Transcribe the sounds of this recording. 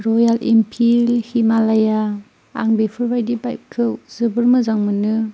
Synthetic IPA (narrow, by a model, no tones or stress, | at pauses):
ɾojalʔimpʰilhimalaja | a̰ŋbepʰɯɾbajdibajp̚kʰɯwzɯbɯɾmɯzaŋmɯnɯ